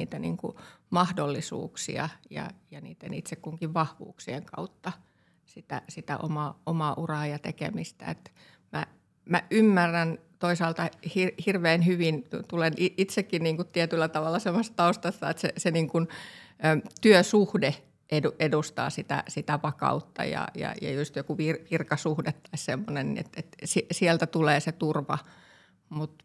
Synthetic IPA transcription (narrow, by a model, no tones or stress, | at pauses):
iːt̪ænḭːŋkṵmɑhdolːisṵːksḭɑ̰jɑ̰jɑnḭːt̪ːenḭt̪sekkuŋkiʋʋɑhʋṵːksieŋkɑ̰ut̪ːɑ | sit̪æ̰sit̪æ̰ʔo̰mɑʔomɑʔurɑːjɑt̪ḛkḛmist̪æ̰ḛt̪ | mæ̰ | mæʔymːærːænt̪oisɑːlt̪ɑhirhirʋeːnhyʋint̪uleniit̪sekːinniːŋkut̪t̪iet̪ylːæt̪ɑʋɑlːˑɑsemːˑost̪t̪ɑust̪ɑst̪ɑ̰et̪sḛseniːŋkunː | t̪yøsuhde | ʔeduʔedust̪ɑ̰ːsit̪æ̰sit̪æʋɑkɑ̰ut̪ːɑ̰jɑ̰jɑ̰jɑ̰just̪jokuʋirʋirkɑsuhdet̪ːɑissemːonennḭḛt̪et̪sisiɛlt̪æt̪uleːset̪urʋɑ | mut̪